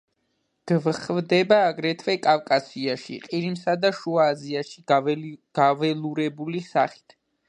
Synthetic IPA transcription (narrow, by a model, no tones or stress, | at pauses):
ɡ̥vχvd̪ɛbaːɡɾɛt̪ʰvɛkʼavkʼasiaʃḭqʼiɾimsad̪aʃuaːziaʃiɡ̥avɛlˠuɾɛbulisaχi̥t̪ʰ